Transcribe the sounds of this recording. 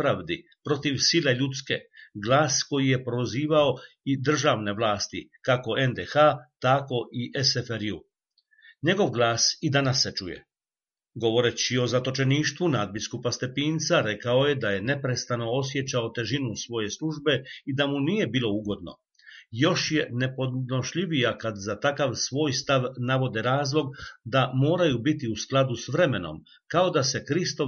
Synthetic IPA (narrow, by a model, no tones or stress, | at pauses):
ɾaʋd̪i | pɾo̞t̪iʋsile̞ʎut̪ske̞̰ɡlaːsko̞jije̞pɾo̞ziːʋaoid̪r̩ʒaʋne̞ʋlaːst̪ḭkako̞e̞nd̪exat̪ako̞ʔiʔesefeɾju | ɲe̞ɡo̞ʋɡlˠaːsid̪anasːet͡ʃujḛ | ɡo̞ʋo̞ɾe̞t͡ɕio̞zat̪o̞t͡ʃe̞niːʃt̪ʋunad̪̚biskupast̪e̞piːnt̪saɾe̞kao̞je̞d̪aje̞ne̞pɾe̞st̪ano̞o̞s̬je̞t͡ɕao̞t̪e̞ʒinusʋo̞je̞sluʒbe̞id̪amuniːje̞biːlˠo̞uɡo̞d̪no̞̰ | jo̞ʃje̞ne̞po̞noʃʎiʋijakad̪zat̪akaʋsʋo̞ːjst̪aʋnaʋo̞d̪eɾaːzlˠo̞ɡd̪amo̞ːɾajubit̪iusklˠad̪usʋɾe̞me̞no̞̰m | kao̞d̪ase̞kɾist̪o